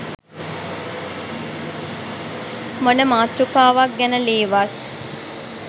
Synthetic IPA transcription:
monəmaːt̪rukaːʋak̚ɡɛnəleːʋas

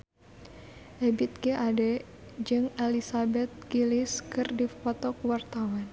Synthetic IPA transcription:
ʔɛbit̪̚kəʔadɛ | d͡ʒɨŋelisabɛt̪̚ɡiliskɨrdipɔt̪ɔkwart̪awan

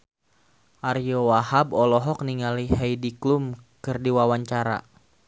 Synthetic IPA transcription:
ʔaɾiɔwahabɔlɔɦɔk̚niŋaliɦɛjdiklumkɨrdiwawaɲt͡ʃaɾa̰

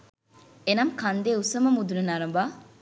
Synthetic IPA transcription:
enɐmkɐnd̪eːusɐmɐmud̪unɐnɐɾɐmbaː

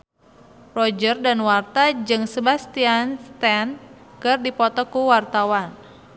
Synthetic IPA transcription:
rɔd͡ʒərdanwart̪ad͡ʒɨŋsəbast̪ianst̪ɛnkɨrdipɔt̪ɔkuwart̪awan

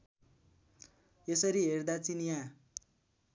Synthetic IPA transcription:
esʌɾiɦerd̪at͡sinjã

